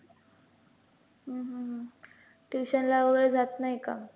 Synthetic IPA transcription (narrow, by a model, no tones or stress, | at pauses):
ɦə̃ɦəɦ | ʈiɕənlaəɾd͡zat̪naɦika̰